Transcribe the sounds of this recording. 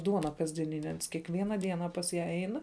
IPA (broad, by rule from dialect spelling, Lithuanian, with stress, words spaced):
ˈduɔnɐ kɐzʲdʲiɛˈnʲɪnʲɛ ˈɐns kʲiɛkˈʋʲiɛnɐ ˈdʲiɛnɐ pɐs ˈjæː ˈɛɪn